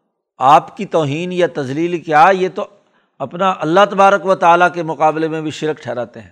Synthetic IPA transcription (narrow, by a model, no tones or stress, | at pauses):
aːpkit̪ɔːɦiːnjat̪ɐzliːlkjaːjet̪o | ɐpnaʔɐlːaɦt̪ɐbaːɾəkʋət̪aːlakemʊqaːblemẽbʱiʃɪɾkʈʰɛːɾaːt̪eɦɛ̃ː